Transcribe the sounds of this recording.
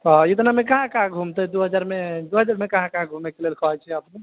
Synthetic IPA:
t̪ɔit̪̬namekaɦãkaɦãɡʱumt̪ɛd̪uɦəd͡ʒaɾmed̪uɦəd͡ʒaɾmekaɦãkaɦãɡʱumekelelkʰɔɦɛt͡ʃʰɛəpne

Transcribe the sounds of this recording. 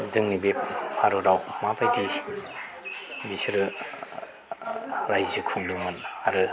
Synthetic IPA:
zɯŋnibep̚pʰaɾɯɾawmapʰajti | bisɾɯ | ɾajzɯkʰuŋdɯŋmɯnaɾɯ

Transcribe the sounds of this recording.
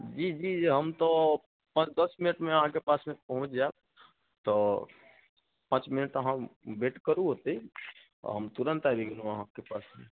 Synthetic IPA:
d͡ʒid͡ʒiɦəmt̪ɔ | pə̃t͡ʃd̪əsminəʈmeəɦãkepasmẽpəɦũt͡ʃd͡ʒae | t̪ɔ | pə̃t͡ʃminəʈəɦãbeʈkəɾuɦot̪əi | ɔ̰ɦəmt̪uɾənt̪abʱiɡinuəɦãkepasmḛ

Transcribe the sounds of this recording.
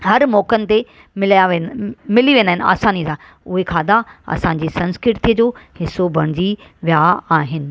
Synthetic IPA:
ɦɐɾmɔːkənɪ̆t̪e | mɪljaʋmɪliʋẽːndaːɦɪnɪa̰ːsaːnisãː | ʊɦekʰaːd̪aɐ̰sãd͡ʑiːsɐ̃nskɾɪɾt̪iəd͡ʑoːhɪsobʱɐɽ̃d͡ʑiʋjaaːɦɪnɪ̆

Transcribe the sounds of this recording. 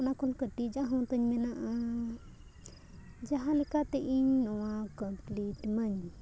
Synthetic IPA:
nakɔlkət̪id͡ʒaɦɔ̃t̪əɲmɛnaʔa | d͡ʒaɦãlikat̪ɛʔiɲnɔwãkəmpliʈməɲ

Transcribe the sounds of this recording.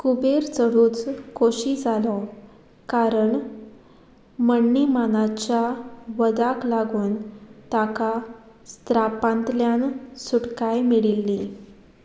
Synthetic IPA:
kubeɾt͡səɽuːt͡skoɕid͡zʱalɔ | kaɾəɳ | məɳːimanat͡ɕjaʋəd̪aklaɡuːnt̪aka | st̪ɾapãnt̪ljansuɽkajmiɭilːi

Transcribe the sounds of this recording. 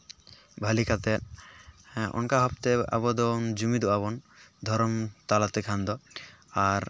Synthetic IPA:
bʱalikat̪ɛ | ɔ̰nkaɦɔp̚t̪ea̰bɔd̪ɔnd͡ʒumid̪uʔabɔnd̪ʱɔɾɔmt̪alat̪ɛkʰand̪ɔaɾ

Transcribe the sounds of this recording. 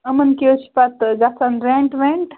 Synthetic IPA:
ɐmənkiot͡ʃʰi̥pat̪ɡasanɾẽɳʈʋeɳʈ

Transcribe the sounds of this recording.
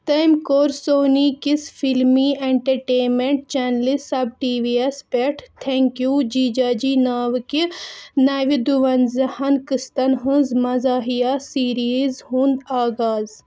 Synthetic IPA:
t̪ɐjmkoːɾsoːniːkisfilmieɳʈɐɾʈeːmeɳʈ̚t͡ʃɛnlisɐb̚ʈiːʋiespeʈʰt̪ʰeŋkjuːd͡ʒiːd͡ʒaːd͡ʒiːnaːʋɨkinaːʋid̪uʋɐnzɐhɐnkɨst̪ɐnɦɨ̃zmɐzaːɦijasiːɾizɦũːnd̪aːɡaːz

